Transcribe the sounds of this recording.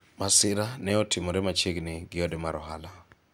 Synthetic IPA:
masɪɾanɛɔtʰɪmɔɾɛmat͡ʃeɡnɪɡɪɔdemaɾɔɦala

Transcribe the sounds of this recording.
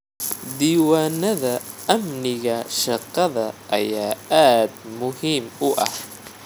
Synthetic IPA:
d̪iːwaːnɐða | ʔamnɪɣaʃɑqːɑðaʔajaːʔaːd̪̚mʊhimʊʔa̰h

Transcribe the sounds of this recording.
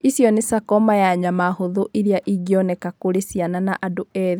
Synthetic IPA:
isjɔnesakɔmajaɲamahoðuʔiɾiaʔiɡiɔnɛkakoɾesiananaʔadoɛði

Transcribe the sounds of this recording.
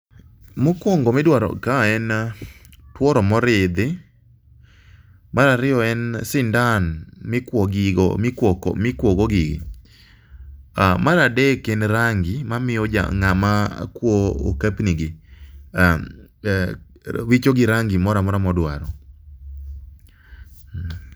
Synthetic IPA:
mɔkwɔŋɡɔmɛdwaɾɔ̰kaɛn | twɔɾɔmɔɾɪd̪ɪ | maɾaɾɪjɔɛnsɪndanmɪkwɔɡɪɡ̰mɪkɔ̰mɪkwɔɡɔɡɪɡɪ̰ | amaɾadɛkɛnɾaŋɡɪmamɪod͡ʒa̰ŋama̰kwoo̰kapniɡɪa | wit͡ʃoɡɪɾaŋɡɪmɔɾamɔɾamɔdwaɾɔ

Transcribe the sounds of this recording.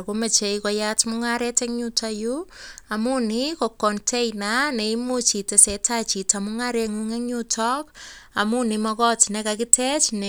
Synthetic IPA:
komet͡ʃeikɔjatmuŋaɾɛtɛŋɲutajuamunikokɔntʰejnaneimut͡ʃitesɛtʰat͡ʃitamuŋaɾeŋuŋeɲutʰɔkamunimɔkɔtnekakɪtʰɛt͡ʃne

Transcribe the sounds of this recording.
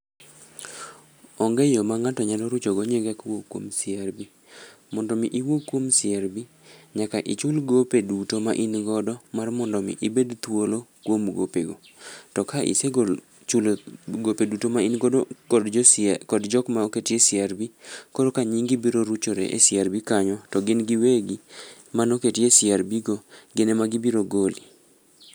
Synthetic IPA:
ɔŋɡɛjomaŋatɔɲalɔɾut͡ʃoɡɔɲeɡakwokːwo̰msɪarbi | mɔndɔmiʔiwokːwomsɪaɾbi | ɲakaʔɪt͡ʃʊlɡopedutomaʔinɡɔdɔmarmɔndɔmḭʔibedt̪wolokwomɡo̰peɡo | tɔkaʔḭse | t͡ʃuloɡopedutomainɡodo | kɔdd͡ʒɔkmaoketjesɪaɾbikoɾokaɲiŋɡibiɾoɾut͡ʃoɾḛʔḛsɪaɾbikaɲɔtɔɡɪnɡɪweɡi | manoketjesɪaɾbiɡoɡɪnɛmaɡɪbiɾoɡoli

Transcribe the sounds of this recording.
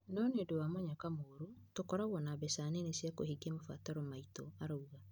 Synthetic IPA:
nɔnedowamɔɲakamoːɾotokɔɾaɣwɔnabɛsaːnenesjako̰hiɡemofa̰taɾɔmaitɔaɾouɣa

